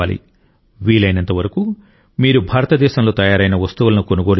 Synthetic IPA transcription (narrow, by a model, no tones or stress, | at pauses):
aːlḭ | ʋiːlɐjnɐnt̪ɐʋɐɾɐku | miːɾubʱaːɾɐt̪ɐd̪ɛːʃɐmlo̞ːt̪ɐjaːɾɐjnɐʋɐst̪uʋɐlɐnukonuɡo̞ːɽ